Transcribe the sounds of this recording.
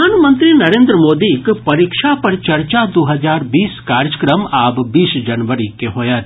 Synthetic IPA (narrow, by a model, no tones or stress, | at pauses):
aːnmə̃nt̪ɾiːnɐɾẽːnd̪ɾəmoːd̪ikpɐɾikʃapɐɾt͡ʃɐɾt͡ʃad̪oːɦɐzaːɾbiːskaːɾjəkɾəmaːbbiːsd͡ʒɐnʋəɾikeɦoːjaːt̪